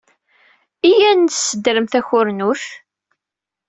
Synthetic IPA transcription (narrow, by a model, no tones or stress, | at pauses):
ijænsːəd̪ɾəmθæçʊɾnuθ